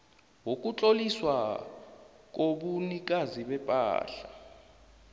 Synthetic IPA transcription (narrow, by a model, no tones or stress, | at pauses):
wok̬ʼut͡ɬʼoliswa | k̬oɓunik̬ʼaziɓɛpʼa̰ːɬa